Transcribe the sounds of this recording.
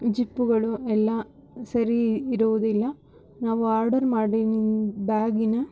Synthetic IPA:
d͡ʒipːuɡɐɭuɛlːaː | sɐɾiːɾuʋud̪ilːɐ | naːʋuaːɾɖɐɾmaːɽinibaːɡinɐ

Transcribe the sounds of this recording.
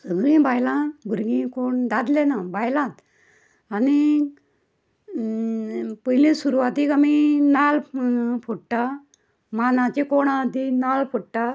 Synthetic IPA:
səɡɾĩbajlãbʱuɾɡĩkoɳd̪ad̪lenãbajlãt̪ | ani | pəɦlisuɾuʋat̪ikaminalpʰuʈʈa | manãt͡ɕekoɳad̪inalpʰoʈʈa

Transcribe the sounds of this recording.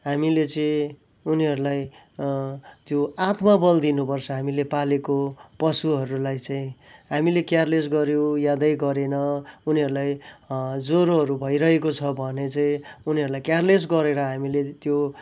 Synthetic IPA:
ɦamilet͡sʌĩ | uniɦʌɾulaj | t̪joat̪mabʌld̪inupʌrt͡sʰʌɦamilepalekopʌsuɦʌɾulajt͡saĩɦamilekjarlesɡʌɾjõjad̪ʌjɡʌɾenʌuniɦʌɾulaj | d͡zoɾoɦʌɾubʱʌjɾʌɦekot͡sʰʌbʱʌnet͡saĩuniɦʌɾulajkjarles̬ɡʌɾeɾʌɦamilet̪jo

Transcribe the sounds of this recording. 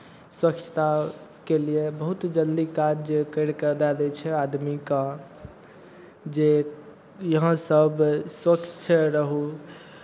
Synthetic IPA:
swəkt͡ʃʰt̪akeliebəɦut̪d͡ʒəld̪ikad͡ʒkəɽkəɾd̪ɛd̪ɛt͡ʃʰɛad̪mikã | d͡ʒe | jəɦãsəbswəkt͡ʃʰt͡ʃʰəɾəɦu

